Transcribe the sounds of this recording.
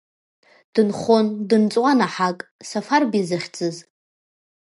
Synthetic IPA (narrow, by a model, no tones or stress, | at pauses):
d̥ɨnχondɨnt͡sʼwanaħakʼsafarbizɨχʲt͡sʼɨz